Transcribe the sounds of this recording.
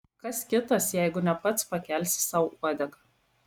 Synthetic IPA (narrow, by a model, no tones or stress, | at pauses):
kɐskʲɪt̪ɐsjɛɪɡʊnʲɛpɐt̪spɐkʲɛˑlʲsʲsɑˑʊuɐd̪ʲɛɡɐ